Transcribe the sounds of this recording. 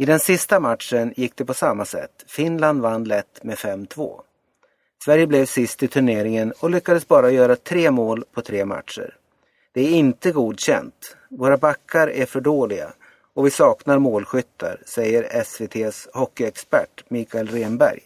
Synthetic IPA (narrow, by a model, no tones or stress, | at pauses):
ɪd̪ɛnsɪst̪amat̪ʂənjɪk̚ːd̪ɛpɔsamːasɛ̰t̪ːfɪnland̪vanːlɛt̪ːmɛfɛmt̪ʰvo̰ː | svæɾjəblɛvsɪst̪ɪt̪ʰɵɳeːɾɪŋənɔlʏkːad̪əsbɑːɾajœːɾat̪ʰɾeːmoːlpʰɔt̪ʰɾeːma̰t̪ʂə̰ɾ | d̪̥ɛæɾɪnt̪əɡuːd̪ɕɛ̰nt̪ | voːɾabakʰːaɾæɾfœɖoːlɪɡa̰ | ɔvɪsɑːknaɾmoːlɧʏt̪ːa̰ɾsɛjːəɾɛsveːt̪ʰeːshɔkːɪɛkspæ̰ʈːmiːkalɾeːnbæ̰ɾj